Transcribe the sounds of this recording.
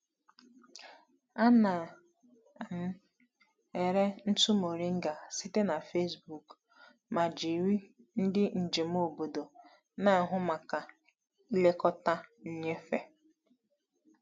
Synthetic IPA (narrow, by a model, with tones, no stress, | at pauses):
a˦na˨ | m̩˦ | e˨ɾe˦n̩˦tu˦mo˨ɾi˦ŋ̩˦ɡa˨si˦te˦na˨fe˦sbu˨k | ma˨d͡ʒi˨ɾi˦ | n̩˦dɪ˦n̩˨d͡ʒe˨m̩˦o˦˨bo˨do˨ | na˦a˨ɦʊ˦ma˨ka˨ | i˦le˦kɔ˦ta˦ɲ̩˦ɲe˦fe˦